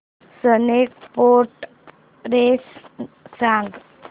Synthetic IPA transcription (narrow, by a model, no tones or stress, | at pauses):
sənek̚poɾʈ | ɾessãŋɡ